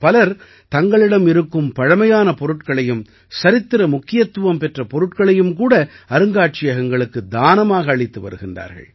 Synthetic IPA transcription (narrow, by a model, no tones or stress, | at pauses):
pɐlɐɾ | t̪ɐŋɡɐɭɪɽɐmɪɾɯkːɯmpɐɻɐmɐjaːnɐpɔɾɯʈkɐɭɐjɯm | sɐɾɪt̪ːɪɾɐmʊkːɪjɐt̪ːɯʋɐmpɛʈrɐpɔɾɯʈkɐɭɐjɯmkuːɽɐ | ɐɾɯŋɡaːʈ̚t͡ʃɪjɐɣɐŋɡɐɭɯkːɯd̪aːnɐmaːɣɐːɻɪt̪ːɯʋɐ̰ɾɯɣɪndra̰ːɾɣɐ̰ɭ